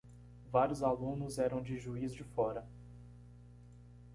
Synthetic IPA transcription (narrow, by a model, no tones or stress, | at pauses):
vaɾjʊzalũnʊzɛɾɐ̃w̃d͡ʒɪʒuizd͡ʒɪfɔɾɐ